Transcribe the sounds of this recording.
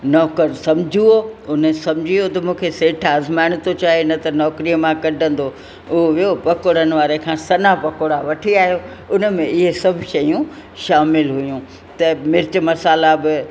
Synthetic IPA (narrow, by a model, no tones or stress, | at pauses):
nɔːkəɾsɐmd͡ʑʱioʊnəsɐmd͡ʑʱiot̪ɐmũːkʰeseːʈʰaːzmaːɪɽ̃t̪ot͡ɕaːɦenɐt̪ɐnɔːkɾijəmãkɐɖʱə̃n̆d̪o | ʊɦoʋiopɐkoɽənɪ̆ʋaːɾekʰãːsɐnapɐkoɽaʋɐʈʰiaːɦijo | ʊnə̆mẽɪɦesɐbʱʊʃɐjũ | ʃaːmɪlɦʊjũ | t̪ɐmɪɾt͡ɕmɐsaːlabɪ